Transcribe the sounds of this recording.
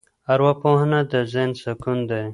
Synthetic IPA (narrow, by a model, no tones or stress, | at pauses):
aɾwapohnad̪əzensakund̪ej